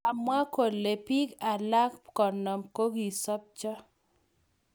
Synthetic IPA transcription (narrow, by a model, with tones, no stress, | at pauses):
a˨mwa˦ko˨lːe˨pi˦ka˨la˦kkɔ˨nɔ˨mko˦ɡi˨sɔ˦p̚t͡ʃɔ˦